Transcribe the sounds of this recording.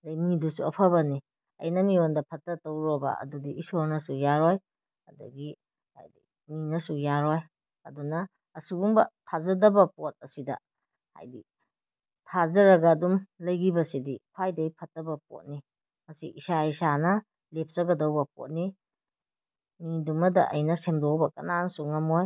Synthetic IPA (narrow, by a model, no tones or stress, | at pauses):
lɐjmidusuɐpʰɐbɐni | ɐ̰jnɐmiondɐpʰɐtːɐtɐwɾobɐ̰ɐ̰dudiʔisoɾnɐsujaɾɔj | ɐdɐ̰ɡi | ha̰jdi | minɐsujaɾɔj | ɐdunɐː | suɡuŋbɐ̰tʰazɐdɐbɐpɔt̚ɐsidɐ̰ | ha̰jdi | tʰazɐɾɐɡɐːdumlɐjɡibɐsidikʰwajdɐipʰɐtːɐbɐp̚o̰t̚ni | mɐsḭʔisaisanɐ | lep̚ʰsɐɡɐdɐwbɐp̚o̰t̚ni | midumɐdɐ̰ʔɐ̰jnɐsemdɔbɐkɐ̰nansuŋɐmoj